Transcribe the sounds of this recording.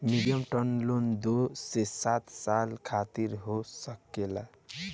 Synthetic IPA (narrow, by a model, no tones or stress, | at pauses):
miɖijəmʈənlond̪osesat̪salkʰat̪iɾɦosəkela